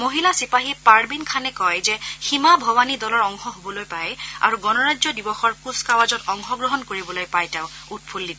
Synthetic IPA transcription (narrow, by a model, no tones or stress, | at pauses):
moɦilasipaɦiɛpaɹbinkʰanɛkɔjzɛximabʱɔwanidɔlɔɹɔŋxɔɦobɔlojpaja̰ɹuɡɔnɔɹazɔdibɔxɔɹkuskawazɔtɔŋxɔɡɹɔɦɔnkoɹibɔlojpajtɛʊut̚pʰulːit